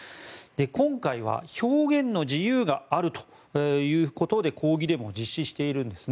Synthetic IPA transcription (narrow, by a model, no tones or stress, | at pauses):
d̪̥e̞kõ̞ŋkaiβ̞a̰ço̞ːɡẽ̞nːo̞d͡ʑijɯːɡaaɾɯ̟t̪o̥ | jɯ̟ːko̞t̪o̞d̪e̞kʰo̞ːɡʲid̪e̞mo̞d͡ʑiɕːiɕi̥t̪e̞iɾɯ̟̃nd̪e̞sɨn